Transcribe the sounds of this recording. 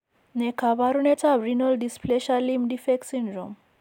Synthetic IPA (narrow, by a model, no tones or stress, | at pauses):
nekʰabaɾunet͡sabɾinɔlɖispleɕalimɖifeksiɳɖɾom